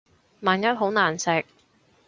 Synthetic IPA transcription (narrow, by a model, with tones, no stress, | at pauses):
maː˨˩njɐ˥t̚ɦo˨˥wnaː˨˩nsɪ˨k̚